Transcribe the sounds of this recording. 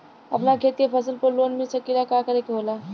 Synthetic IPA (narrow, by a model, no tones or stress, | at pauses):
ɐpnakʰeːt̪jepʰəsəlpəɾloːnmisəkiɾakakəɾekeɦoːlaː